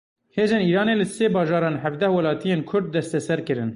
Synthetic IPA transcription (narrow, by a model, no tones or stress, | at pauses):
heːzeːniːɾɑːneːlɨseːbɑːʒɑːɾɑːnɦævd̪ɛhwɛlɑːt̪ijeːnkʰʊɾd̪̚ːɛst̪ɛsɛɾkɨɾɨn